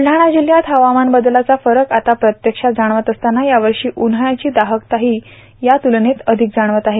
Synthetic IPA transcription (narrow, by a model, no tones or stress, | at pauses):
ɖ̤aɽ̃ad͡ʑiljat̪ɦəʋamanbəd̪lat͡safəɾəkat̪apɾət̪jəkʂad͡zaɽ̃ʋət̪əst̪anajaʋəɾʂiːʔunɦəjat͡ɕiːd̪aɦəkt̪aɦiː | jat̪ulɳet̪əd̪ʱik̚d͡zaɽ̃ʋət̪aɦe